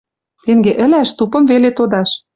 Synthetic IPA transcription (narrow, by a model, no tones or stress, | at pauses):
t̪eŋɡeʔə̆læʃt̪upɤ̆mvelet̪od̪ɑʃ